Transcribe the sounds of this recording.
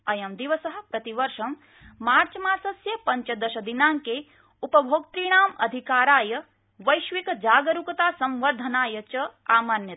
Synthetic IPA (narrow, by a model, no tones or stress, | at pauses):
ɐjɐmd̪iʋɐsɐɦɐ̆pɾɐt̪iʋɐɾʃɐmː | aːɾt͡ʃɐmaːɾsɐsjɐpɐɲt͡ʃɐd̪ɐʃɐd̪inaːŋke | upɐbʱoːk̚t̪ɾiːɽ̃aːmɐ̰d̪ʱikaːɾaːjɐ | ʋɐjʃʋikɐd͡ʒaːɡɐɾukɐt̪aːsɐ̃mʋɐɾd̪ʱɐnaːjɐt͡ʃɐaːmɐnjɐt̪